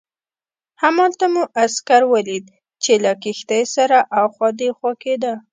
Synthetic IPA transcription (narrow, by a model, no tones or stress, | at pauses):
hamɑlt̪amuʔaskaɾwəlid̪̚ | t͡ʃelakixt̪ajsaɾaʔawxwɑd̪exwaked̪a